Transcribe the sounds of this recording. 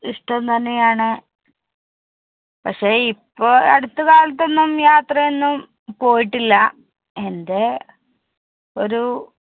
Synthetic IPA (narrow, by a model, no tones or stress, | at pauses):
iʂʈɐmt̪ɐnːe̞jaːɳɨ | pɐkʂe̞ːipːoːɐ̰ɽut̪ːukaːlɐt̪̬ːo̞nːumjaːt̪rɐe̞nːum | po̞ːjiʈːilːɐ | end̪e̞ | o̞ɾu